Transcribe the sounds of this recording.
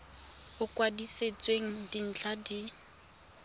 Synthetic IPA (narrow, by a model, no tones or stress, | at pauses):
ʊkʼwadiset͡sʼweŋ̩din̩t͡ɬʰadi